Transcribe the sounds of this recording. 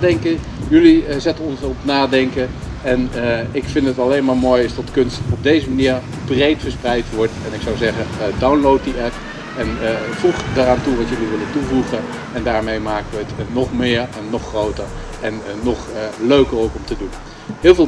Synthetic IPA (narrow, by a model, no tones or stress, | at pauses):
dɛŋkə | jɵlizɛtənɔnsɔpnaːdɛŋkə | ɛnɪkfɪntətɑlejnmaːɹmoːjɪsdɔtkɵnstɔb̚dejzəmaniːɹ | brejtfəɹsprɛjtʋɔɹtɛnɪksawzɛχədawnlowt̚diʔɛp | ɛnvuχdaːraːntuʋɑtjɵliʋɪləntuvuχən | ɛndaːɹmejmaːkəʋəətnɔχmɪːɹɛnːɔχrowtəɹ | ʔɛnːɔχløɥkəɹowkɔmtədun | ɦɪːlˠvɪːl